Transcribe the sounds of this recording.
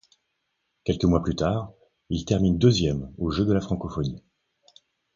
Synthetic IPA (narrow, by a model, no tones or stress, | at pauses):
kʲɛlkəmwaplyt̪aːʁ | ilt̪ɛʁmind̪øzjɛmoʒød̪əlafχɑ̃kɔfɔni